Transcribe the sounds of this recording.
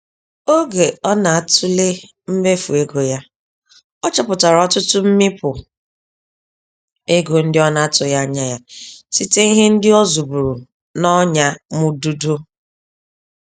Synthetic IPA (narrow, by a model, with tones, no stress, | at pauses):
o˦ɡe˨ɔ˦na˨a˨tʊ˦le˦ | m̩˦me˦fu˨e˦ɡo˨ja˦ | ɔ˦t͡ʃɔ˦pʊ˨ta˨ɾɔ˦tʊ˦tʊ˦m̩˦mɪ˦pʊ˨ | e˦ɡo˨n̩˦dɪ˦ɔ˦na˨a˦tʊ˨ja˦ɲa˦ja˦si˦te˦i˦ɦe˦n̩˦dɪ˦ɔ˦zu˨bu˨ɾu˨ | nɔ˦ɲa˦mʊ˨du˦do˦